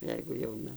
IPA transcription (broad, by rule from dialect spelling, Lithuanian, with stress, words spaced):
ˈjɛɪɡʊ jɛʊˈnɐ